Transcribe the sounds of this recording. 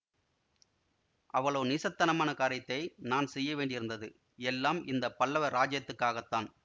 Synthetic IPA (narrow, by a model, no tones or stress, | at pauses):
ʔɐʋɐɭoːnɪːsɐt̪ːɐnɐmaːnɐkaːɾɐt̪ːɐɪnaːnsɛjːɐʋeːɳɖɪɾɯnd̪ɐðɯ | ɛlːaːmɪnd̪ɐpːɐlːɐʋɐɾaːd͡ʒjɐt̪ːɯkːaːɣɐt̪ːaːn